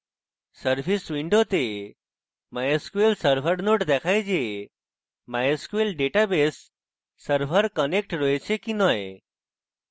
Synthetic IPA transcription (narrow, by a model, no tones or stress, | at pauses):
səɾfisʋiɳɖot̪e | majəskuelsəɾfʰəɾnoʈd̪ɛkʰajd͡ʑe | majəskuelɖeʈabesː | əɾfəɾkənek̚ʈɾəjt͡ɕʰekinəj